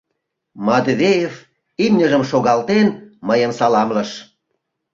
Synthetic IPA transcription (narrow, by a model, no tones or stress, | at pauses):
mɑd̪vʲejev | imnʲəʒəmʃoɣɑlt̪enməjəmsɑlɑmləʃ